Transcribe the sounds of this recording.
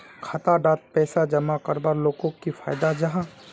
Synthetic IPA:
kʰat̪aɖaːt̪̚pɛːsad͡ʒɐmakəɾbaɾloːkõkifʰaːjd̪ad͡ʒɐɦã

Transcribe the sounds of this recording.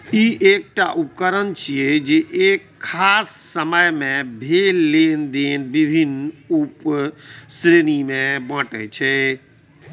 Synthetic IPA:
iːʔeːk̚ʈaʔup̚kəɾənt͡ʃʰied͡ʒeʔeːkʰːaːsːəməjmẽbʱeːlːeːnd̪eːnbibʱinup | sɾenimẽbə̃ʈet͡ʃʰɛ

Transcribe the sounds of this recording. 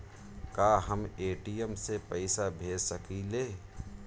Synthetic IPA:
kaːɦəmeːʈijəmsepɐɪsabʱeːd͡ʒsəkileː

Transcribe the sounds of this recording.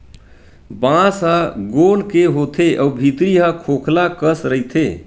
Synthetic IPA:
bãsɦaɡolkeɦot̪ʰeʔɔːbʱit̪ɾiɦakʰokʰlakəsɾəit̪ʰe

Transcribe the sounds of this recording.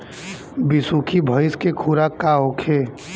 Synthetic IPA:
bɪsuːkʰibʱəɪskekʰuːɾakaɦokʰeː

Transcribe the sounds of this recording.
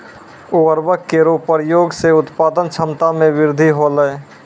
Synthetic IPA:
uəɾbəkkeɾopəɾjoːɡseʊt̪paːd̪ənt͡ʃʰəmt̪amẽʋɪɾd̪ʱiɦoləe

